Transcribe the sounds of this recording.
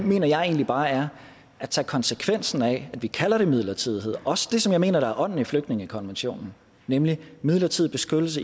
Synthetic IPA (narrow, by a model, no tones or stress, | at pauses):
me̝̰ːnɐjɑ̈ɪe̝̰ːnlib̥ɑ̈ːæɐ | æt͡sʰɛ̰ːkʰɒ̽nsəkʰʋen̰sn̩ɛæd̥ʋikʰælɐɾ̥e̝mið̞̰ˠlɐt͡sʰiðˠɦe̝ð̰ˠɒ̽sə̥d̥e̝sɒ̽mjɑ̈ɪme̝̰ːnɐɾ̥ɑ̈æɐʔɒ̽n̰n̩ifløɡ̥d̥ne̝ŋəikʰɒ̽nʋenɕo̝̰ːnn̩ | nemlimið̞̰ˠlɐt͡sʰið̰ˠb̥e̝sɡ̥øɾ̥l̩sə